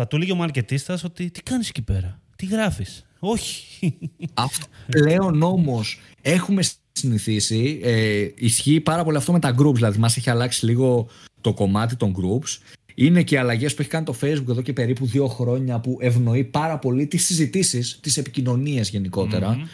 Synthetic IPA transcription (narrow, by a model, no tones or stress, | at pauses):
ɐt̪uliʝeomɐɾce̞t̪ist̪ɐso̞t̪it̪i̥kɐnisecipe̞ɾɐt̪iɣɾɐfis | o̞çi̥ | ɐft̪ople̞o̞no̞mo̞s | e̞xume̞s | siniθisi | isçiːpɐɾɐpo̞liɐft̪o̞met̪ɐɡɾupzðilɐðimɐse̞çiɐlɐksiliɣo̞t̪o̞ko̞mɐt̪̬it̪o̞ŋɡɾups | ine̞ceiɐlɐʝe̞spueçi̥kɐnit̪o̞fe̞jzbuke̞ðo̞ce̞pe̞ɾipuðio̞xɾo̞ɲɐpuʔe̞vno̞ipɐɾɐpo̞lit̪isːizit̪isist̪ise̞pi̥cino̞niɐzʝe̞niko̞t̪e̞ɾɐ